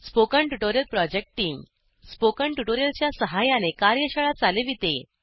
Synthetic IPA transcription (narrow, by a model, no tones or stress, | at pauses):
spokəɳʈuʈoɾijəlpɾɔd͡ʑek̚ʈʈːiːŋ | spokəɳʈuʈoɾijəlt͡ɕjasəɦajanekaɾjəɕəɭat͡saleʋit̪e